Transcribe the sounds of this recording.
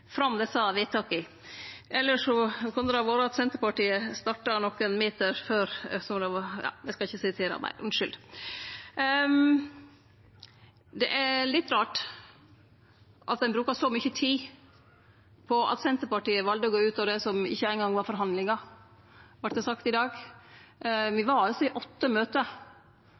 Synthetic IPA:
fɾɑmd̪ɛsɑːʋɪt̪ʰɑkːɪ | ɛlːəʂɔkʰʉnd̪əd̪ɛɑʋoːɾəɑt̪sɛnt̪əɾpɑʈiːəst̪ɑʈːɑnɔkːənmeːt̪əɾføːɾsɔmd̪ɛʋɑjɑ̰ːd̪ɛskɑɪçːəsɪt̪ʰeːɾɑ̰mæ̰ɪɾʔʉnʂʏld̪ | d̪ɛʔælɪt̪ːɾɑːʈ | ʔɑt̪̚d̪ɛnbɾʉːkɑsɔmʏçət̪ʰiː | pʰɔɑ̰t̪sɛnt̪əɾpɑʈiːəʋɑld̪əɡoːʉːt̪ɔʋd̪ɛsɔmɪ̰çːəæɪnɡɑŋʋɑɾfɔɾɦɑnd̪lɪŋɑ | ʋɑʈːd̪ɛsɑkt̪ɪd̪ɑːɡ | ʋɪʋɑɾɑlsɔɪʔɔt̪ːəmøːt̪ə

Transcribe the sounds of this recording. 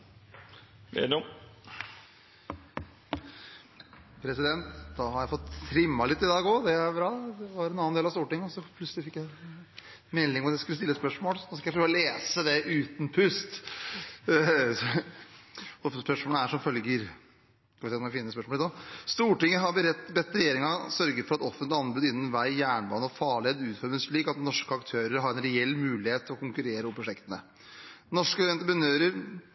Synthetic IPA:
mɛ̰d̪ɔm | pʰɾɛsɪd̪ɛnt̪d̪ɑhɑɾjæɪfɔt̪ːɾɪmːɑlɪt̪ːɪd̪ɑːɡɔd̪ɛæɾbɾɑːd̪ɛʋɑɾɛnɑnːɑnd̪eːlɑst̪uːʈɪŋːəɔsɔpʰlʉtsəlɪfɪkːjæɪ | mɛlːɪŋɔmɑd̪æskʉlːəst̪ɪlːəspœʂmoːlsnɔskɑjæɪfɾøːɔleːsəd̪ɛʔʉːt̪n̩pʰʉst̪ | ɔfəspœʂmoːləæʂɔmfœlɡəɾ | skɑʋɪsɛːmʋɛfɪnːəəspœʂmoɔlɛt̪ɔst̪uːʈɪŋːəɦɑɾbəɾɛt̪ːbɛt̪ːəɾɛjeːɾɪŋɑsœɾɡəɾfɔɾɑt̪ɔfəɪɑnbʉːd̪ɪnːnʋæɪjæːɳbɑːnəɔfɑːɭɪeːd̪ʉːt̪fœɾməsɭiːkɑt̪nɔʂkəɑkt̪ʰøːɾəɾɦɑɾɛnɾɛɛlːmʉːlɪheːt̪ʰːɪlɔkʊŋkʉɾeːɾəɔmpʰɾʊʂɛkt̪ənə̰ | nɔʂkəʋɛnt̪əpɾənøːɾəɾ

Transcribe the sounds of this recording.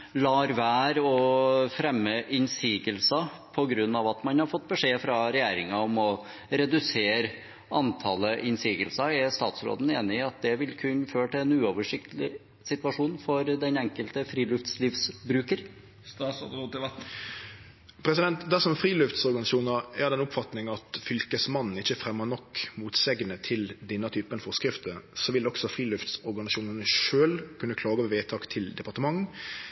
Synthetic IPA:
lɑːɾʋæːɾɔfɾɛmːəʔɪnsiːɡəlsɑ | pʰɔɡɾʉnːɑʋɑt̪mɑnhɑɾfɔt̪ːbəʂeːfɾɑɾɛjeːɾɪŋɑɔmɔ | ɾɛd̪ʉseːɾ | ɑnt̪ʰɑləʔɪnsiːɡəlsɑɛɾst̪ɑ̰ːt̪sɾo̰ːd̪ən̩eːnɪɑt̪̚d̪ɛʋɪlkʰʉnːføːʈɪlɛnʉːoʋəʂɪk̚t̪lɪ | sɪt̪ʋɑʂuːnn̩fɔɾd̪ɛnɛŋkəlt̪əfɾiːlʉft̪slɪfsbɾʉːkəɾ | st̪ɑsɔd̪ot̪ɪɛt̪ | pʰɾɛsɪd̪ɛnt̪d̪æʂɔmfɾiːlʉft̪sɔɾɡɑnɪuːnəɾæʁd̪ɛnʊpfɑt̪nɪŋɑt̪fʏlkəsmɑnn̩ɪçːəfɾɛmːənɔkːmuːt̪seːɡənət̪ʰɪld̪ɛnːət̪ʰyːpənfɔʁskɾɪft̪əsɔʋɪlɔksɔfɾiːlʉft̪sɔɾɡɑnɪsuːnənəʃøːlkʰʉnːəkʰlɑːɡəʋɛʋeːt̪ʰɑːkt̪ʰɪld̪ɛpɑʁt̪əmɑŋː

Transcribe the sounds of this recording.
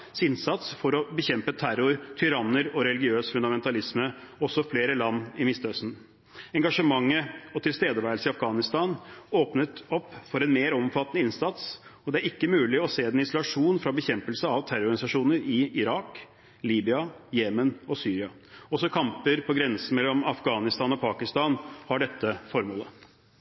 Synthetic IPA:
sɪnsɑt̪sfɔɾɔbəçɛmpət̪ʰæɾʊɾt̪ʰʏɾɑnəɾɔɾɛlɪɡɪøːsfʉnd̪ɑmɛnt̪ɑlɪsməɔsɔfleːɾəlɑnːɪmɪst̪øsn̩ | ɛŋɡɑʂəmɑŋːəɔt̪ʰɪlst̪eːd̪əʋæːɾəlsəɪɑfɡɑːnɪst̪ɑːnoːpnət̪ɔpːfɔɾɛnmeːɾɔmfɑt̪ːnəɪnsɑt̪sɔd̪ɛæɾɪkːəmʉːlɪɔseːd̪ɛnɪsɔlɑʂuːnfɾɑbəçɛmpəlsəɑʋt̪ʰæɾʊɔɾɡɑnɪsɑʂuːnəɾɪɪɾɑːk | liːbɪɑjeːmənɔsyːɾɪɑ | ɔsɔkʰɑmpəɾpʰɔɡɾɛnsən̩mɛlːɔmɑfɡɑːnɪst̪ɑːnɔpʰɑːkɪst̪ɑːnhɑɖɛt̪ːəfɔɾmoːlə

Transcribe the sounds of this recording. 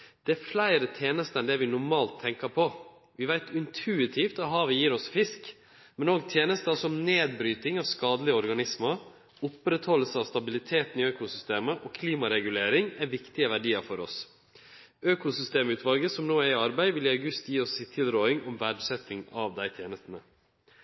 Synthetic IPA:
d̪̥ɛæflæɪɾət̪ʰjeːnəst̪əɛnd̪ɛʋɪnʊɾmɑːlt̪ʰːɛŋkəpʰɔ | ʋɪʋæɪt̪ɪnt̪ʰʉːɪt̪ʰift̪ɔɦɑːʋɪjiːɾɔsfɪsk | mɛnoːɡt̪ʰjeːnəst̪əɑsɔɔmneːd̪bɾyːt̪ɪŋɑʋskɑːd̪əlɪəɔɾɡɑnɪsmə | ʊpɾɛt̪hɔlːəsəɑʋst̪ɑbɪlɪt̪ʰeːt̪n̩ɪøːkʊsʏst̪eːməʔɔːkʰliːmɑɾɛɡʉleːɾɪŋæɾʋɪkt̪ɪəʋæɖiːəɾfɔɾɔs | øːkʊsʏst̪eːmʉːt̪ʋɑlɡəsɔmnoːæɾɪɑɾbæɪʋɪlɪɑʉɡʉst̪jiːɔsːɪt̪ʰːɪlɾoːɪŋɔmʋæɖsɛt̪ɪŋɑʋd̪æɪt̪ʰjeːnəst̪ən̩ə

